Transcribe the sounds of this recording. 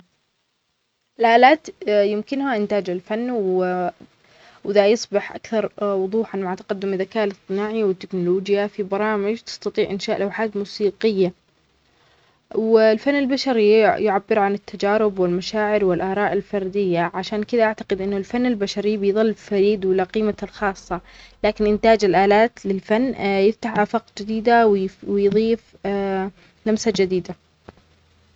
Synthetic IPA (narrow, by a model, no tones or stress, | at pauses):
ʔɪlʔaːlaːt̪jɪmkɪnhaʔɪnt̪aːd͡ʒɪlfanːw | wɪðajɑsˤbɑħʔa̰kθɑɾˤwʊðˤuːħʕanmaʕt̪ḁqɑd̪ːʊmɪðakaːʔlɪst̪ːˤɨnaːʕiwɪt̪ːɪknʊloːd͡ʒjafibɑɾˤɑːmɪd͡ʒt̪ɪ̥st̪ɑt̪ˤiːʕʔɪnʃaːʔlʔawħaːt̪muːsiːqɪjːa | wɪlfanːɪlbaʃɑɾijʊʕabːɪɾʕanɪt̪ʰːad͡ʒaːɾɪbwɪlmaʃaːʕɪɾwɪlʔɑːɾˤɑːʔɪlfɑɾˤd̪ɪjːaʕaʃaːnkɪd̪aʔaʕt̪ḁqɪd̪ʔɪnːʊlfanːɪlbaʃɑɾibɪjðˤɨlːfaɾiːd̪wɪlaqiːmalxɑːsˤːɑlaːkɪnʔɪnt̪aːd͡ʒɪlʔaːlaːt̪lɪlfanːjɪft̪aħʔafaːqd͡ʒɪd̪iːd̪awwɪjðˤiːf | lamsad͡ʒad̪iːd̪a